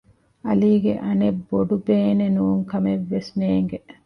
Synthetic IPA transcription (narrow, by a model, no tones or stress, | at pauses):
ɐliːɡeʔɐnebːoɖubeːnenuːŋkɐmeʋːesmeːŋɡe